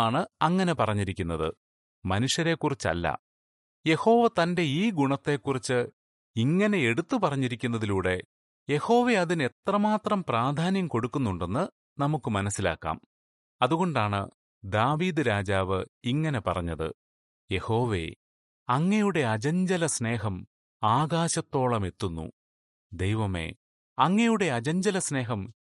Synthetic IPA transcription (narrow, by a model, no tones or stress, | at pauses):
aːɳɨɐŋːɐne̞pɐrɐɲːiɾikʲːun̪ːɐðɨ̰ | mɐnuʂjɐɾe̞kːurit͡ɕːɐ̰lːɐ̰ | je̞ho̞ːʋɐt̪ɐnde̞iːɡuɳɐt̪ːe̞kːurit͡ɕːɨ | iŋːɐne̞eɽut̪ːupɐrɐɲːiɾikʲːunːɐðiluːɽe̞ | je̞ho̞ːʋe̞ɐðine̞t̪rɐmaːt̪rɐmpraːd̪ʱaːnjɐmko̞ɽukːunːuɳɖe̞nːɨ | nɐmukːɨmɐnɐsːila̰ːkːa̰ːm | ɐðuɣo̞ɳɖaːɳɨ̰ | d̪aːʋiːd̪ɨɾaːd͡ʑaːʋɨiŋːɐne̞pɐ̰rɐ̰ɲːɐðɨ̰ | je̞ho̞ːʋe̞̰ | ɐŋːɐjuɽe̞ɐd͡ʑɐɲd͡ʑɐlɐsne̞ːɦɐm | aːɣaːɕɐt̪ːo̞ːɭɐme̞t̪ːunːṵ | d̪e̞jʋɐme̞̰ | ɐŋːɐjuɽe̞ɐd͡ʑɐɲd͡ʑɐlɐsne̞ːɦɐm